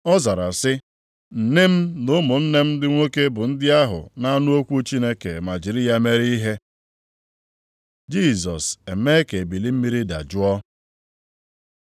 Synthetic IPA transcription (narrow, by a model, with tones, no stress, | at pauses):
ɔ˦za˨ɾa˨sɪ˦ | n̩˨ne˦m̩˦nʊ˦mʊ˨n̩˦ne˦m̩˦dɪ˦ŋʷo˦ke˦bʊ˨n̩˦dɪ˦a˦ɦʊ̰˨na˦nʊ˦o˦kʷu˦t͡ʃi˦ne˦ke˨ma˨d͡ʒɪ˨ɾi˦ja˦me˦ɾi˦i˦ɦe˦ | d͡ʒi˦˨zɔ˨se˨me˦ke˨bi˨li˦m̩˦mi˦ɾi˦da̰˨d͡ʒʊ˦ɔ˦